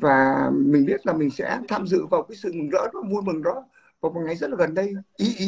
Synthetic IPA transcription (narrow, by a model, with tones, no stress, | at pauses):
vaː˨˩mï˨˩ŋ̟ɓi˦˥ət̚laː˨˩mï˨˩ŋ̟sɛ̰˧˥t̪ʰaː˧mzɨ̰˧˨vaː˨˩wkaː˨˦jsɨ̰˧˨mɨ˨˩ŋzə̰ː˧˥ɗɔ˨˦vu˧jmɨ˨˩ŋɗɔ˨˦ | vaː˨˩wma˨˩jŋa˨˩jzə˦˥t̚laː˨ɣə˨˩nɗə˧jʔi˨˦˧